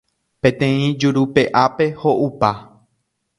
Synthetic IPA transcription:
pẽ̞t̪ẽ̞ĩd͡ʒuɾupe̞ʔape̞hoʔupa

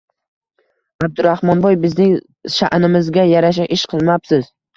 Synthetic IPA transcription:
ab̚d̪ʊɾahmɒnbɒjbɪznɪŋ | ʃa̰ʔnɪmɪzɡʲajaɾaʃ̬aʔɪʃqʰɨlˠmapsɪz̥

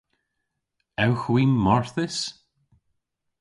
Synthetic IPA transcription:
ɛwxwiːmɔɹθɪs

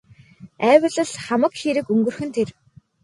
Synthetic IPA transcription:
æːwə̆ɮə̆ɮχamə̆kxeɾɘ̆kɵŋɡɵ̆rxɘ̆nt̪ʰer

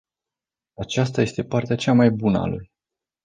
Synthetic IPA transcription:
at͡ʃast̪aje̞st̪e̞part̪eat͡ʃamajbunəa̰lṵj

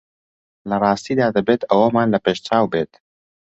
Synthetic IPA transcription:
lɐrˤɑːst̪iːd̪aːd̪ɐbeːt̪ʰɐwɐmaːnlɐpeːʃt͡ʃaːwbeːt̪

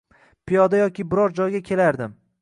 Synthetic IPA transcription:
pʰijɒd̪ajɒkʲʰɪbɪɾɒɾd͡ʒɒjɡʲakʲʰe̞laɾd̪ɪm

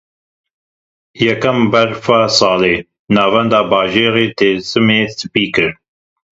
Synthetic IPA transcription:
jɛkɐmbɛɾfasɑːleː | nɑːvɛnd̪ɑːbɑːʒeːɾeːt̪ʰeːsɨmeːsɨpiːkɨɾ

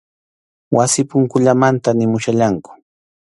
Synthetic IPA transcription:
wasɪpʊŋkʊʎamant̪anɪmʊʃaʎaŋkʊ̥

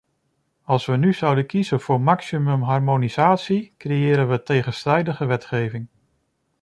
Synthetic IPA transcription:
ɑlˠsʋənyz̥ʌwdəkizənv̥ʊːɹmɑksimɵmɦɑɹmoniz̥aːtsikrejɪːɾənʋətejχənstrɛjdəχəʋɛtχejvɪŋ

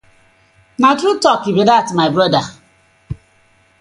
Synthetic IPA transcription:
natɾutɔkibedatmaɪbɾɔda

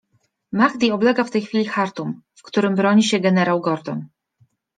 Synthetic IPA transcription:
maɣd̪ʲiɔblɛɡaft̪ɛjxfʲilʲixaɾt̪umfkt̪uɾɘmbɾɔɲiɕɛɡɛnɛɾawɡɔɾd̪ɔn

